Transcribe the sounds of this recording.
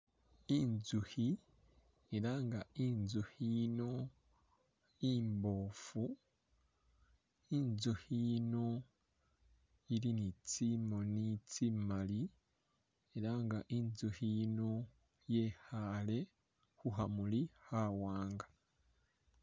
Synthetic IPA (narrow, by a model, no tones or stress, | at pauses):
inzuhi | eɾaːŋɡainzuhino̞ | imbo̞ːfu | inzuhino̞ | iɾinit͡simonit͡simali | eɾaŋɡaʔinzuhino̞ | je̞hale̞ | huɦamulihawaːŋɡa